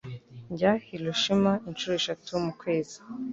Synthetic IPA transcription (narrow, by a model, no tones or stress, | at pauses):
ɲɟahiloʃimaint͡ʃuɾoeʃatujomukwe̞ːzi̥